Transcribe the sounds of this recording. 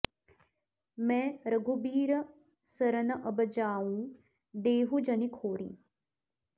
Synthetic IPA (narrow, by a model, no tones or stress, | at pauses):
mɛ̃ːɾəɡʱubiːɾə | səɾənɐʔɐbəd͡ʒaːũː | d̪eːɦud͡ʒɐnikʰoːɾḭ̃ː